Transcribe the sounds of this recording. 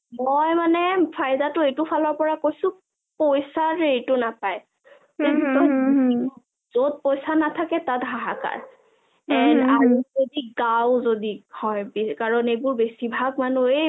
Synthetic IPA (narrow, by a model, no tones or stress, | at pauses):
mojmanɛpʰajdatʊejtʊpʰalɔɹpɔɹakojsʊ̃ | pojsaɹejtʊnapaj | eitɔj | zod̚pojsanatʰakɛtatɡʱaɦaka̰ɹ | ɛnaɹuzodiɡawzodihɔjbekaɹɔnejbʊɹbesibʱaɡ̚manue